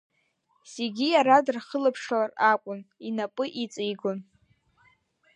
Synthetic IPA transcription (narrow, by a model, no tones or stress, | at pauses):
se̞ɡʲijaɾadrχəlapʰʂalarakʷʼʊninapʼɨʔit͡sʼijɡon